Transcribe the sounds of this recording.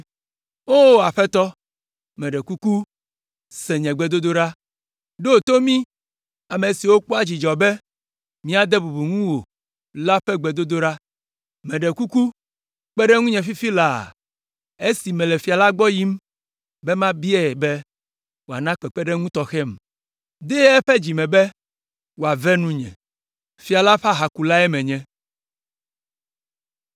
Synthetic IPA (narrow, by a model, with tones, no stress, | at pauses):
o˦a˨ɸɛ˦t̪ɔ˦ | mɛ̃˨ɖɛ˨ku˦ku˦ | sɛ˨ɲɛ̃˨ɡ͡bɛ˨d̪o˦d̪o˦ɖa˦ | ɖo˦˨t̪o˦mĩ˦ | a˨me˨si˨wo˦k͡po˦a˦d͡ʑi˨d͡ʒɔ˨be˦ | mĩ˦a˨d̪e˦bu˨bu˨ŋũ˦wo˨ | la˦ɸɛ˦ɡ͡bɛ˨d̪o˦d̪o˦ɖa˦ | mɛ̃˨ɖɛ˨ku˦ku˦ | k͡pɛ˦ɖɛ˦ŋũ˦ɲɛ̃˨fi˦fi˦la̰˨ | e˦si˨mɛ̃˨lɛ˨fi˨a˨la˦ɡ͡bɔ˦ji˦m | bɛ˦mã˦bi˦ɛ˨bɛ˦ | wo˨a̰˨nã˦k͡pɛ˨k͡pɛ˦ɖɛ˦ŋũ˦t̪ɔ˨xɛ˦m | d̪ɛ˦ɛ˦ɸɛ˦d͡ʑi˨mɛ̃˨bɛ˦ | wo˨a˨vɛ˦nũ˦ɲɛ̰̃˨ | fi˨a˨la˦ɸa˦ɦa˨ku˨la˦ɛ˦mɛ̃˨ɲɛ̃˦